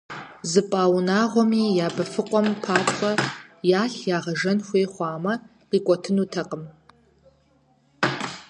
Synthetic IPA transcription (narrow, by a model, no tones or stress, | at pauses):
zɨpʼaːwnaːʁʷɔmiːjaːbɐfɨqʷʼɔmpʰaːtʰʼχʷɐjaːɬjaːʁɐʒɐnxʷeːχʷɑːmɐ | qiːkʷʼɔtʰɨnuːtʰɐqʼəm